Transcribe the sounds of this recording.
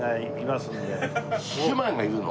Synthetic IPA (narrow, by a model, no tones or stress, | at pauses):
ai | imasɨne | ɨmãŋɡajɯːno̰